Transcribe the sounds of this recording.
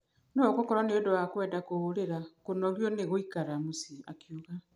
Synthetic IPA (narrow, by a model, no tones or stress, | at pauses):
nokokɔɾɔneodowakwɛːdakooɾeɾakonɔɣjɔneɣoikaɾamosia̰kjoɣa